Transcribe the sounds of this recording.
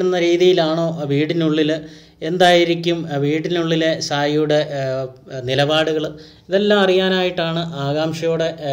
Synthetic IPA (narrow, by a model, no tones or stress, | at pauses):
ɽunːɐɾiːðijilaːɳo̞ːʋiːɽinuɭːil | end̪aːjiɾikʲːumʋiːɽinuɭːilesaːjijuɽe̞ | nilɐbaːɽuɣɐɭ | iðe̞lːaːmɐrijaːnaːjiʈːaːɳɨʔaːɣaːmʂɐjoːɽe̞